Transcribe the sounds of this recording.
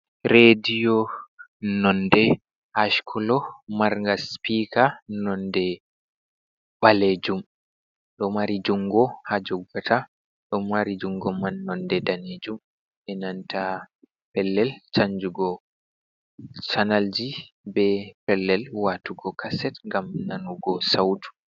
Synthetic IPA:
ɾedijɔ | nɔndɛ | haʃkʰɔlɔmaɾŋɡaspikanɔndɛ | ɓaled͡ʒum | ɗɔmaɾid͡ʒuŋɡɔhad͡ʒɔɡːatʰa | ɗɔmaɾid͡ʒuŋɡɔmanːɔndɛdaned͡ʒum | ʔɛnantʰa | pɛlːɛlt͡ʃaɲd͡ʒuɡɔ | t͡ʃanald͡ʒi | bɛpɛlːɛlwatuɡɔkʰasɛtŋɡamnanuɡɔsawtʰu̥

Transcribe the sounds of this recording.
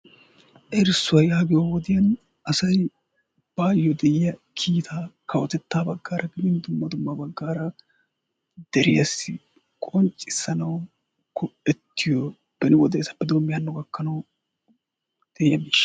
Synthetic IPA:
ʔɛɾsːʊwɐjaːɡɪjɔwɔd̪ɪjɐn | ʔɐsɐj | b̥aːjːɔd̪ɛɪjɐkʰiːt̪ʰaːkʰɐwɔt̪ɛt̪ːaːbɐɡːaːɾʔɐɡɪb̪ɪnd̪ʊmːɐd̪ʊmːɐbɐɡːaːɾɐ | d̪̥ɛɾɪ̰jɐsɪ | kʼɔnt͡ʃʼːɪsːɐnɐw | kɔɛt̪ːɪjɔ | b̥ɛnɪwɔd̪ɛːsɐpːɛd̪oːmːɪjɐnːɔɡɐkːɐnɐw | d̪̥ɛʔjɐmiːʃɐ̥

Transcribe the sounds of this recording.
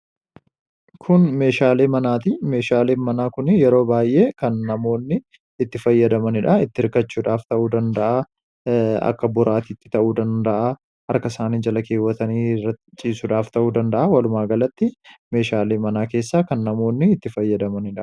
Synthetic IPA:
kʰʊnme̞ːʃaːleːmɐnaːt̪ɪme̞ːʃaːleːnmɐnaːkʊnɪjɛɾo̞ːbaːjʔe̞ːkɐnːɐmo̞ːnːɪː | t̪ːɪfɐjːɐd̪ɐmɐnɪᶑɐɪt̪ːɪɪɾkɐt͡ʃːuːᶑaːft̪ɐʔuːd̪ɐnd̪ɐʔa | ɐ̰kːɐbʊɾaːt̪iːt̪ːɪ̥t̪ɐʔuːd̪ɐnd̪ɐʔa | hɐɾkɐɪsaːniːd͡ʒɐlɐkʰeːwːɐt̪ɐniːrɐt͡ʃʼiːsʊᶑaːft̪ɐʔuːd̪ɐnd̪ɐʔaːwɐlʊmaːɡɐlɐt̪ːɪme̞ːʃaːleːmɐnaːkeːsːaːkɐnːɐmo̞ːnːɪːt̪ːɪfɐjːɐd̪ɐmɐnɪᶑɐ̥

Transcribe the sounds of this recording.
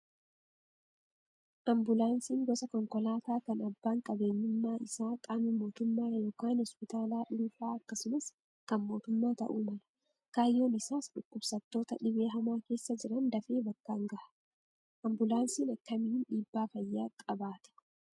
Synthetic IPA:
ʔɐmbʊlaːnsiːŋɡɔsɐkɔŋkɔlaːt̪aːkɐnɐbːaːŋkʼɐbe̞ːɲːʊʊmːaːɪsaːkʼaːmɪmo̞ːt̪ʊmːaːrɐjoːkaːnhɔspɪt̪aːlaːᶑuːfaːɐkːɐsʊnɐs | kɐnmo̞ːt̪ʊmːaːt̪ɐ̰ʔuːmɐlɐ̥ | kaːjːo̞ːnɪsaːsᶑʊkːʊbsɐt̪ːo̞ːt̪ɐᶑɪβe̞ːɦɐmaːke̞ːsːɐd͡ʒɪɾɐnd̪ɐfe̞ːbɐkːaːŋɡɐʔɐ̥ | ʔɐmbʊlaːnsiːnɐkːɐmɪɪnᶑiːbːaːfɐjːaːkʼɐbaːt̪ɛ̥

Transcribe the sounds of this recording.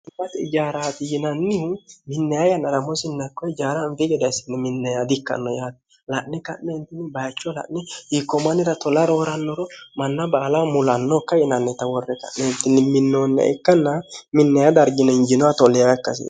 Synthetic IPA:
ɪbɐt̪ɛɪd͡ʒaːɾaːt̪ɪjɪnɐnːɪmɪnːɛjajɐnɐɾɐmɔsɪnːɐkːɔɪd͡ʒaːɾanfɪɡɛd̪ɐɪsɪ̥nːɛmɪnːɛjad̪ɪkːɐ̰nːɔ̰jaːt̪ | lɐʔnɛkɐʔnɛɪnt̪ːɪnːɪbɐjt͡ʃːɔlɐ̰ʔnɛhikːɔmɐnɪɾɐt̪ɔlɐɾoːɾɐnːɔɾɔmɐnːɐbaːlɐwmʊlɐnːɔkːɐjɪnɐnːɛt̪ɐwɔrːɛkɐ̰ʔnɛnt̪ːɪnːɪmɪnːoːnːɐ̰ʔɪ̰kːɐnːɐmɪnːɛjad̪ɐɾɡɪnɛɪnd͡ʒɪnɔwat̪ɔlɛjakːɐsɪ̰

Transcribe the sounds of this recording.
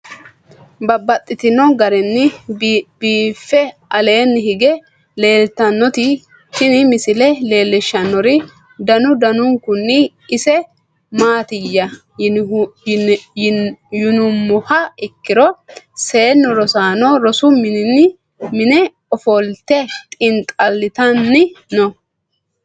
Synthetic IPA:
bɐbːɐt̪ʼːɪt̪ɪnɔɡɐɾɛnːɪ | biːfːɛɐle̞ːnːɪhɪɡɛ | le̞ːlt̪ːɐnːɔt̪ɪ | t̪ɪnɪmɪsɪlɛle̞ːlːɪʃːɐnːɔɾɪ | d̪ɐnʊd̪ɐnʊŋkʊnːɪː | sɛ | maːt̪ɪjːɐ | jʊnʊmːʊhɐɪkːɪɾɔse̞ːnːɔɾɔsaːnɔɾɔsʊmɪɪn | mɪnɛ | ɔfɔlt̪ɛt̪ʼɪnt̪ʼɐlːɪt̪ɐnːɪnɔ

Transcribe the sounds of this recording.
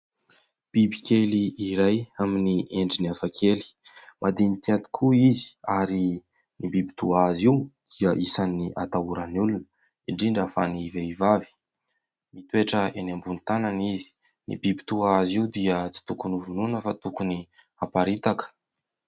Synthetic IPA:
b̥ibikʰʲeliiɾajaminieɳɖ͡ʐiniafakʰeli̥mʔad̪init̪iant̪i̥kʰuizi̥aɾi | nibibi̥t̪uaaziud̪̥iəʔisaniʔa̰t̪auɾanulunə̥ | iɳɖ͡ʐiɳɖ͡ʐafaniveivavi̥ | mit̪ueʈ͡ʂəenambunit̪ananizi̥ | nḭbibit̪uaaziud̪iət͡si̥t̪ukunuvununəfat̪ukuni | apaɾit̪akə̥

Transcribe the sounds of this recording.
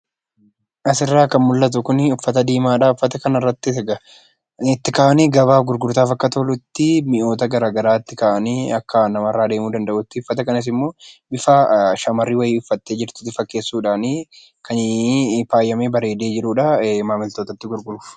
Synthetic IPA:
ʔɐsɪrːaːkɐnmʊlːɐt̪̬ʊkʊnʊfːɐt̪ɐd̪iːmaːᶑaːʊfːɐt̪ɐkɐnɪrːɐt̪ːɪt̪ɡɐ | ɪt̪ːɪkaːʔɐniːɡɐβaːfɡʊɾɡʊɾt̪aːfɐkːɐt̪oːlʊt̪ːɪmɪʔo̞ːt̪ɐɡɐɾaːɡɐɾaːɪt̪ːɪkaːʔɐniɐkːɐnɐmɐrːaːd̪e̞ːmuːd̪ɐnd̪ɐʔʊt̪ːɪʊfːɐt̪ɐkɐnɐs̬ɪmːo̞ːbɪfaʃɐmɐrːiːwɐjiːʊfːɐt̪ːe̞ːd͡ʒɪɾt̪ʊ̥t̪ɪfɐkːe̞ːsːuːᶑaːniː | kʰɐnfaːjːɐmeːbɐɾe̞ːd̪e̞ːd͡ʒɪɾuːᶑɐmaːmɪlt̪o̞ːt̪ɐt̪ːɪɡʊɾɡʊɾʊf

